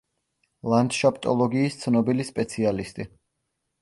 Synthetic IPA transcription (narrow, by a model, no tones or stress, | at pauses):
land̪ʃapʼt̪ʼɔlˠɔɡiːst̪sʰnɔbilispʼɛt̪sʰialist̪ʼi